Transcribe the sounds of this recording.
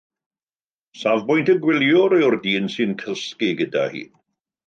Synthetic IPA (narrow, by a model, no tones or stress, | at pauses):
savbʊjntəɡwɪlˠjɔɾejɔrdiːnsɨnkʰəskiɡəda̰hḭː